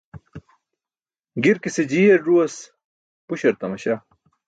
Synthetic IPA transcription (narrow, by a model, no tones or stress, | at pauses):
ɡiɾkised͡ʑijeɾɖuɐs | puɕɐɾt̪ɐmɐɕa